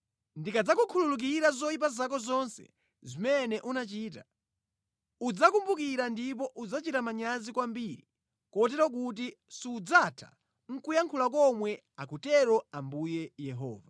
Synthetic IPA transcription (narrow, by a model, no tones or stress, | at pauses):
ndikad͡zakukʰululuk̬iɾazɔip̬azak̬ɔzɔnsɛ̰ | zimɛnɛʔunat͡ʃiːta | ud͡zakumbukiɾandip̬ɔʔud͡zat͡ʃitamaɲazikwambiɾi | kɔt̬ɛɾɔk̬ut̬i | siud͡zatʰḁ̰ | ŋ̩kujaŋkʰulak̬ɔmwɛ | akutɛɾɔambujɛjɛɦɔ̰ːva